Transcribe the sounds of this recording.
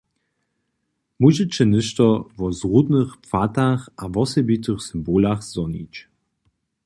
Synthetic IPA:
muʑɛt͡ɕɛnɘʃt̪ɔvɔzʁud̪nɨxpfat̪axʔavɔsɛbit̪ɨxsɨmboːlaxz̥ɔnḭt͡ɕ

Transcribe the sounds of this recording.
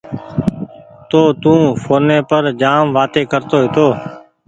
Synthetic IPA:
t̪oːt̪ũːfʰoːnẽːpəɾd͡ʒaːmʋaːt̪eːkəɾt̪oːɦɪt̪oː

